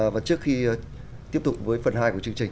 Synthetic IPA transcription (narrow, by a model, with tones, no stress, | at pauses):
vaː˨˩t͡ɕɨ˦˥əkxi˧ | t̪i˦˥əp̚t̪ʊ˨˩k͡p̚vəː˨˦jfə˨˩nɦaː˧jku˧˩ət͡ɕɨ˧ŋt͡ɕï˨˩ŋ̟